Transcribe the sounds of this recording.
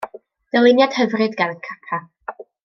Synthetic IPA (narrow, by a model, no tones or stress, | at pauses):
d̥əlˠɪnjad̥həvrɨdɡanənkʰatʰa